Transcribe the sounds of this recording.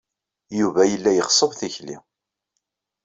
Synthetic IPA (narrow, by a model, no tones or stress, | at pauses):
juvæjəlːæjəχsˤəðθiçlḭ